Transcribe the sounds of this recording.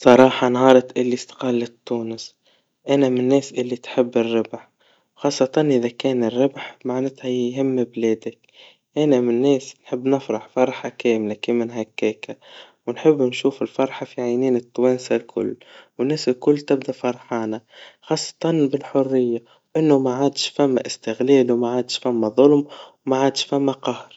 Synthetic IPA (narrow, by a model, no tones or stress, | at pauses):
sˤɑɾˤɑːħɑnɦɑːɾˤɑt̪ʔɪlːist̪qɑːlːɪt̪ːuːnɪs | ʔanamɪnːeːsʔɪlːit̪ħɪbːɪrːɪbħ | xɑːsˤːɑt̪ɑnʔɪðakeːnɪrːɪbħmaʕnɪt̪hajjɦɪmːbleːd̪ak | ʔanamɪnːeːsnħɪbːnɪfɾɑħfɑɾˤħakeːmlakiːmɪnɦakːeːka | wnħɪbːnʃuːfɪlfɑɾˤħɑfiʕajniːnɪt̪ːwæːnsalkʰʊ̰lːwɪnːɛːsɪlkʊlːt̪ɪbd̪æfɑɾˤħɑːnaxɑːsˤːɑ̥t̪ˤɑnbɪlħʊrːɪjːa | ʔɪnːʊmaʕaːd̪ʃfæmːaʔɪst̪ɪɣlɛːlwmaʕaːd̪ʃfæmːaðˤʊlmwmaʕaːd̪ʃfæmːæqɑhɾ